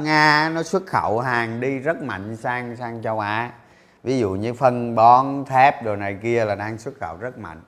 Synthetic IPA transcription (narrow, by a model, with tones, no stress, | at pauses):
ŋaː˧˦nɔ˨˦swə˦˥t̚xə̰˧˩wɦaː˨˩ŋɗi˧zə˦˥t̚ma̰˧˨jŋ̟saː˧ŋsaː˧ŋt͡ɕɔ˧wʔaː˨˦ | vi˨˦zṵ˧˨ɲɨ̰˧fə˧nɓɔ˨˦nt̪ʰɛ˦˥p̚ɗo˨˩na˨˩jki˧əlaː˨˩ɗaː˧ŋswə˦˥t̚xə̰˧˨wzə˦˥t̚ma̰˧˨jŋ̟